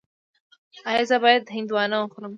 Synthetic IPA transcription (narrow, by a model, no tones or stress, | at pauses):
ɑjɑzabɑjad̪ɦɪnd̪wɑnawoxɾəm